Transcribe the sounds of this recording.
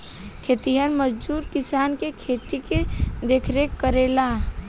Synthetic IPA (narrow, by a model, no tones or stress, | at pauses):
kʰeːt̪iɦənməd͡ʒd͡ʒuːɾkɪsaːnkekʰeːt̪iked̪eːkʰɾekəɾeːlaː